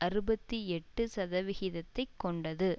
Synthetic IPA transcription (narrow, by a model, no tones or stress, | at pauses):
ʔɐɾɯbɐt̪ːiɛʈːɯsɐðɐʋɪɣɪðɐt̪ːɐɪkːɔɳɖɐðɯ